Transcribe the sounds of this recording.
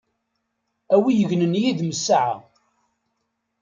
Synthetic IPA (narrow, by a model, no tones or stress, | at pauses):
æwijəʝnənjiðməsːaʕa̰